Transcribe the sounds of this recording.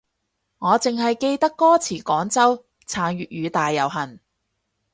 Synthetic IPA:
ŋɔː˨˧t͡sɪ˨ŋɦɐ˨jke˧jt̪ɐ˥kːɔː˥t͡sʰiː˨˩kɔː˨˥ŋt͡sɐ˥w | t͡sʰaː˨˥ŋɥyː˨t̚ɥyː˨˧t̪aː˨jːɐ˨wɦɐ˨˩n

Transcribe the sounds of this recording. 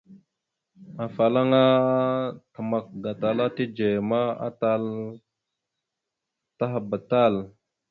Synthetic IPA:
a˨fa˨la˦ŋa˦ | tə˨ma˨k̚ɡa˨ta˨la˦ti˦d͡ʒe˨ma˦a̰˦ta˦l | ta˦ɦa˨ba˨ta˦˨l

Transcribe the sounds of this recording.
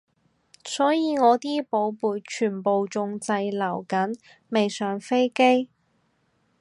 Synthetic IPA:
sɔː˨˥jiː˨˧ŋɔː˨˧t̪iː˥po˨˧wpuː˨˩jt͡ʃʰyː˨˩npo˨wt͡sʊ˧ŋt͡sɐ˧jlɐ˨˩wkɐ˨˥n | me˨jsœː˨˥ŋfe˥jke˥j

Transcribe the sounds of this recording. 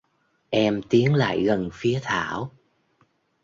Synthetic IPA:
ʔɛ˧mt̪i˨˦ənla̰ː˧˨jɣə˨˩nfi˨˦ət̪ʰaː˧˩˨w

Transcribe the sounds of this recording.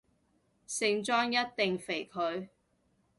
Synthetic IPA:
sɪ˨˧ŋt͡ʃɔː˥ŋjɐ˥t̚t̪ɪ˨ŋfe˨˩jkʰɵ˨˧ɥ

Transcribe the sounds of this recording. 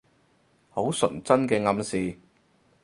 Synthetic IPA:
ho˨˥wsɵ˨˩nt͡sɐ˥nkɛː˧ŋɐ˧msiː˨

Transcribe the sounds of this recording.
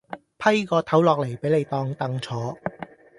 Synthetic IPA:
pʰɐ˥jkɔː˧t̪ʰɐ˨˥wlɔː˨k̚le˨˩jpe˨˥jle˨˧jt̪ɔː˧ŋt̪ɐ˧ŋt͡sʰɔː˨˥

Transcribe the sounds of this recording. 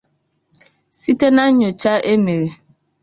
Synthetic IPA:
si˦te˦na˦ɲo˨t͡ʃa˦ʔe˦me˨ɾi˨

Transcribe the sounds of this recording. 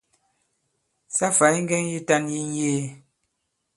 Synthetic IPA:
sa˦fa˨˦i˦ŋ˦ɡɛ˦ŋji˦ta˦nji˦n˦jeː˦˨

